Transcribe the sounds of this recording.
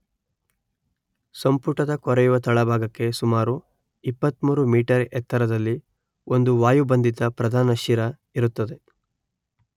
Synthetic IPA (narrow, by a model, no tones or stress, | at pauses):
sɐmpuʈɐd̪ɐkɔɾɛjuʋɐt̪ɐɭɐbʱaːɡɐkːe̞sumaːɾu | ipːɐt̪muːɾumiːʈɐɾɛt̪ʰːɐɾɐd̪ɐlːi | o̞nd̪uʋaːjubɐnd̪it̪ɐpɾɐd̪ʱaːnɐʃiɾɐ | iɾut̪ːɐd̪e̞